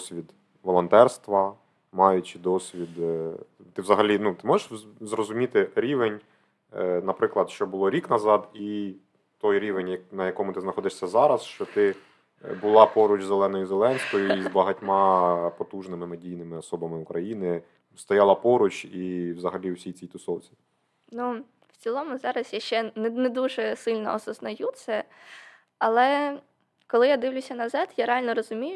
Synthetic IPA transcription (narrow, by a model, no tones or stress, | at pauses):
sʲʋʲid̪ | ʋɔlˠɔnt̪ɛrst̪ʋɐ | mɑjʊt͡ʃɪd̪ɔsʲʋʲid̪ | t̪ɪwzɐɦɐlʲinut̪ɪmɔʒeʂzrɔzʊmʲit̪ɪɾʲiʋenʲ | nɐpɾɪklˠɐd̪ʃt͡ʃɔbʊlˠɔɾʲiknɐzɑd̪i | t̪ɔjɾʲiʋenʲjɐnɐjɐkɔmʊt̪ɪznɐxɔd̪ɪʂsʲɐzɑɾɐsʃt͡ʃɔt̪ɪ | bʊlˠɑpɔɾʊt͡ʃzelˠɛnɔjʊzelˠɛnʲsʲkɔjʊizbɐɦɐtʲmɑpɔt̪uʒnɪmɪmɪdʲijnɪmɪɔsɔbɐmɪʊkɾʔɐjinɪ | st̪ɐjɑlˠɐpɔɾʊt͡ʃiwzɐɦɐlʲiwsʲijt͡sʲijt̪ʊsɔwt͡sʲi | nu | wt͡sʲilˠɔmʊzɑɾɐsjaʃt͡ʃɛnɛnɛd̪uʒɛsɪlʲnɔ̰ɔsɐznɐjut̪sɛ | ɐlˠɛ | kɔlˠɪjad̪ɪwlʲʊsʲɐnɐzɑt̪jaɾeɑlʲnɔɾɔzʊmʲijʊ